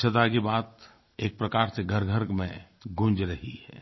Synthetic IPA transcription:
t͡ʃʰət̪akibaːt̪ | eːk̚pɾɐkaːɾseɡʱəɾɡʱəɾkmẽ | ɡʊ̃nd͡ʒɾɐɦihɛ̰ː

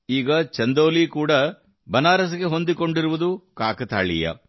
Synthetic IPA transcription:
iːɡɐt͡ʃɐnd̪oːlikuːɽɐ | bɐnaːɾɐs̬ɐɡeɦond̪iko̞ɳɖiɾuʋud̪ukaːkɐt̪a̰ːɭḭjɐ̰

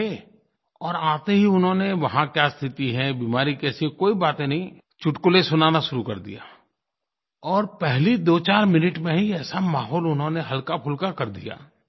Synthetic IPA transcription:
e | ɔːɾaːt̪eɦiʊnɦõneʋɐɦãkjaːst̪ʰɪt̪iɦɛ̃biːmaːɾikɛːsikoːibaːt̪ẽnɐɦĩ | t͡ʃʊʈkolesʊnaːnaʃʊɾukɐɾd̪ḭja̰ː | ɔːɾpɛɦlid̪oːt͡ʃaːɾmɪnɪʈmẽɦiɛːsamaːɦɔːlʊnɦõneɦɐlkapʰʊlkakɐɾd̪ḭja̰ː

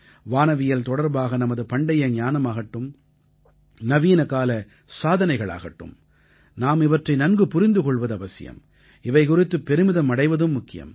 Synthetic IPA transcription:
ʋaːnɐʋɪjɐlt̪ɔɽɐɾbaːɣɐnɐmɐðɯpɐɳɖɐjɐɲaːnɐmaːɣɐʈːɯm | nɐʋiːnɐkaːlɐ | saːðɐnɐɪɣɐɭa̰ːɣɐʈːɯ̰m | naːmɪʋɐʈrɐɪnɐnɡɯpʊɾɪnd̪ɯkɔɭʋɐðɯɐʋɐsɪ̰jɐ̰m | ɪʋɐɪkʊrɪt̪ːɯpːɛɾɯmɪðɐmɐɽɐɪʋɐðɯmːʊkːɪjɐ̰m

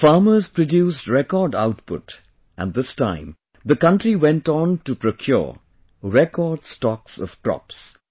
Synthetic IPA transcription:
faːməzpɹɔdjuːstɹɛkɔɹɖaʊtpʊ̰t | ʔæ̰̃n̚ðɪstãɪ̃m | ðəkʌ̃ntɾiwɛ̃ntntupɹokʰjɔ̰ | ɹɛkɔːd̥stɔksɔ̰v̥kɹɔ̰ps

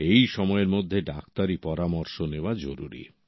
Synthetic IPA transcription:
ejʃɔmɔeɾmod̪ʱːeɖak̚t̪aɾipɔɾamɔɾʃoneoad͡ʑoɾṵɾḭ

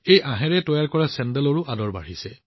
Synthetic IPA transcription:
ejʔãɦɛɹɛtɔjaɹkɔɹasɛndɛlɔɹʊʔadɔɹba̰ɹ̤isɛ

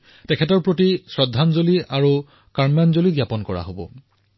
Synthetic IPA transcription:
tɛkʰɛtɔɹpɹotisɹɔdʱanzoliaɹu | kaɹmjanzoliɡjapɔnkɔɹa̰ɦobɔ̰

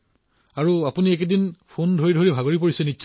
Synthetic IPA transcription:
aɹuapuniɛkedinpʰondʱoɹidʱoɹibʱaɡoɹip̬oɹisɛnitːʃ

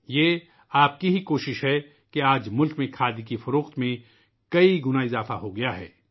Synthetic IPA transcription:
jeː | aːp̚kiɦikoːʃɪʃɦɛ | keaːd͡ʒmʊlkmẽkʰaːd̪ikifʊɾoːxt̪mẽ | kɐiɡʊnaɪzaːfaɦoɡɐjaɦɛ̰ː

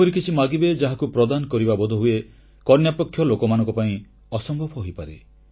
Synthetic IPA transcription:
ɔɾikit͡ʃʰimaɡibed͡ʒaɦakupɾɔd̪anɔkɔɾibabɔd̪ʱɔɦue | kɔɾnjapɔkʰːjɔlokɔmanɔŋkɔpaĩ | ɔsɔmbʱɔbʱɔɦojpaɾe

